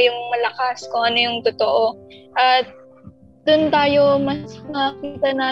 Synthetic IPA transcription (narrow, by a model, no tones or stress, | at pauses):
jʊŋmɐlɐkaskʊŋʔɐnojʊŋt̪ʊt̪oʔo̞ʔɐt̪̚ | d̪ʊnt̪aːjo̞mɐsmɐkiːt̪ɐnaː